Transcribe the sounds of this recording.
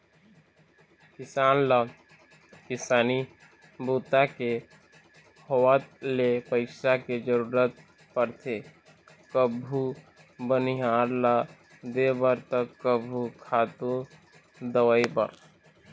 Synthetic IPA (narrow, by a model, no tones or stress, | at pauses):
kɪsaːnla | kɪsaːni | buːt̪ake | howat̪lepəɪʃaked͡ʒəɾuːɾət̪̚ | pəɾt̪ʰe | kəbʱu | bəniɦaːɾla | d̪ebəɾt̪əkːəbʱukʰaːt̪ũ | d̪əwəibɐ̰ɾ